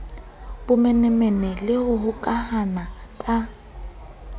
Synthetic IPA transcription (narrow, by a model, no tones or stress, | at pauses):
bʊmɛnɛmɛnɛlɪhʊhʊkʼahanakʼa